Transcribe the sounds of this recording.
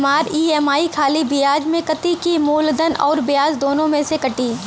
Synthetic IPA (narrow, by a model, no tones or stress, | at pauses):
maːɾiːɛːmaːikʰaːlibɪjaːd͡ʒmẽkɐt̪ikimuːld̪ənɔːɾbɪjaːzd̪oːnõmẽsekɐʈiː